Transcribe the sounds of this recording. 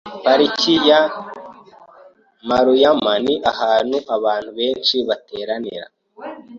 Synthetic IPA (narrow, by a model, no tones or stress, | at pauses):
paɾicʰija | maɾujamaniʔahaːn̥uʔaβaːn̥huβe̞ːnʃiβatʰe̞ːɾanḭɾa̰